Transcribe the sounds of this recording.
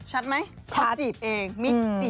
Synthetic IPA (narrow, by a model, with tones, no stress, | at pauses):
t͡ɕʰa˦˥t̪̚ma˦˥jsʰaː˧˦si˨˩p̚ʔeː˧ŋmi˦˥t͡ɕi˨˩